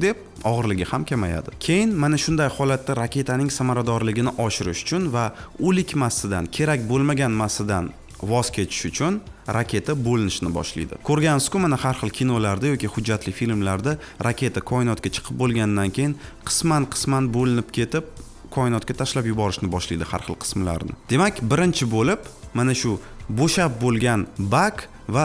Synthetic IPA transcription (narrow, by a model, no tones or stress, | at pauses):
d̪e̞p̚ | ɒʁɨɾlɪɡʲɪhamkʲʰamaja̰d̪ɪkʲʰe̞jɪnmanaʃʊnd̪ajhɒlat̪ːaɾakʲʰe̞t̪ʰanɪŋsamaɾad̪ɒɾlɪɡʲɪnɪʔɒʃɪɾɪʃʊ̥t͡ʃʰʊnvaʊlɪkʲmasːɪd̪ankʲʰe̞ɾakʲbolˠmaɡʲanmasːɪd̪an | vɒz̥kʲʰe̞t̪ʰɪ̥ʃʊt͡ʃʰʊnɾakʲʰe̞t̪ʰabolɪnɪʃnɪbɒ̰ʃlḭjd̪ɪ̰kʰɵɾɡʲanskʊmanahaɾχɨlˠkʲʰinolaɾd̪ajɒkʲihʊd͡ʒːat̪lɪfilmlaɾd̪a | ɾakʲe̞t̪ʰakʰɒɪnɒt̪kʲat͡ʃʰɨ̥qʰɨp̚bolˠɡʲand̪ankʲʰe̞jɪnqʰɨ̥smanqʰɨ̥smanbolɪnɪp̚kʲʰe̞t̪ɪp̚ | kʰɒɪnɒt̪̚kʲat̪ʰaʃlapjʊbɒɾɪʃnɪbɒʃlijd̪ɪha̰ɾχɨlˠqʰɨ̥smɪla̰ɾnɪ̰d̪̥e̞makʲbɪɾɪnt͡ʃʰɪbolɪpmanaʃʊboʃap̚bolˠɡʲanbak | va